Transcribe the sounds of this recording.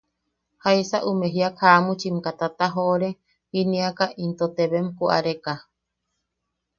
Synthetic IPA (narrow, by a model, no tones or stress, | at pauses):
haisaʔumẽɦiakhamut͡ʃimkat̪at̪aɦoɾe | hinĩakaʔint̪ot̪eβemkuʔa̰ɾeka